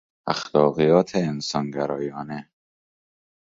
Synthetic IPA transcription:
axlɒːɣijɒːt̪ʰeːnsɒnɡæɾɒːjɒːne

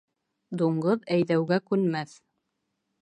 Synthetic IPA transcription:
d̪uɴɢɤðæjðæwɡækʉnmæθ

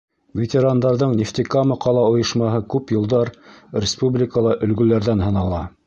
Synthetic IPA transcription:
vʲet̪ʲeɾand̪ɑɾðɤɴnʲeft̪ikamɤqʰɑlˠɑŏjɤ̆ʃmɑɦɤkʉpjŏlˠd̪ɑɾrʲɪspublʲɪkəlˠɑʔɵ̆lɡɵ̆læɾðænɦɤ̆nɑlˠɑ

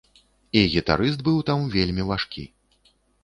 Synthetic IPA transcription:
iɣʲit̪a̰ɾɨs̬t̪̚bɨwt̪amvʲelʲmʲivaʂkʲḭ

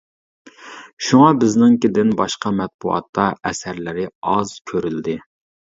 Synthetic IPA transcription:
ʃuŋɑbɪznɪŋkʲɪd̪ɪnbɑʃqɑmɛt̪̚buʔɑ̰t̪ʰːɑʔɛsæɾlɪɾɪɑz̥kʲʰøɾyld̪ɪ

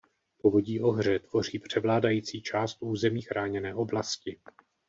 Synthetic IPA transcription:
povo̞ɟiːʔo̞ɦr̝ɛt̪v̥o̞r̝iːpr̝̥ɛvlaːdajiːt͡siːt͡ʃaːst̪ʔuːzɛmiːxɾʔaːɲɛnɛːʔo̞blascɪ

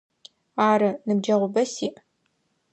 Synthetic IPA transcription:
aːɾɨnɨbd͡ʒɐʁʷʊbɐsiːʔ

